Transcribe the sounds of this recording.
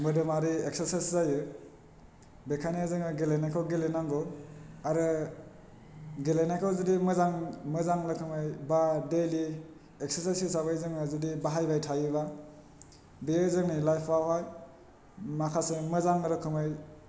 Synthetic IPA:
mɯdɯmaɾiekseɾsaszajɯ | bekʰanezɯŋɯɡelenakʰawɡelenaŋɡɔaɾɯ | ɡelejnakʰawzɯdimɯzaŋmɯzaŋlɯkʰɯmɯjbadeli | ek̚seɾsajsisaβajzɯŋɯzɯdibaɦajbajtʰajɯβa | bijezɯŋnilajpʰːawɦaj | makʰasemɯzaŋɯɾɯkʰɯmɯj

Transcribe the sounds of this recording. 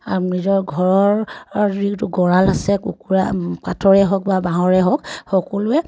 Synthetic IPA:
aɹumɹizɔɹɡʱɔɹɔɹɹitʊɡɔɹalasɛkṵkuɹakatʰɔɹɛɦɔk̚babaɦɔɹɛɦɔkxɔkɔlʊɛ

